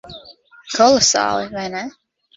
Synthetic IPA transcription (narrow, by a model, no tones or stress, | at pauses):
kʰɔlˠɔsɑ̰ːlˠivajnɛ